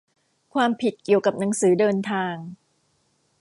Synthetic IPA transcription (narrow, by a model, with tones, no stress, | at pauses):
kʰwaː˧mpʰi˨˩t̪̚ki˨˩əwka˨˩p̚na˩˦ŋsɯː˩˦dɤː˧nt̪ʰaː˧ŋ